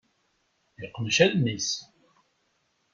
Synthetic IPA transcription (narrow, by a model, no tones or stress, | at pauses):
jiqːmʃæðnis